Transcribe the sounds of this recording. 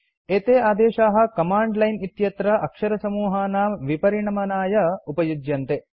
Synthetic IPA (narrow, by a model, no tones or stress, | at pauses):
eːt̪eːaːd̪eːʃaːɦɐ̆kɐmaːɳɖlɐjnit̪jɐt̪ɾɐʔɐkʂɐɾɐsɐmuːɦaːnaːmʋipɐɾiɳɐmɐnaːjɐupɐjud͡ʒjɐnt̪e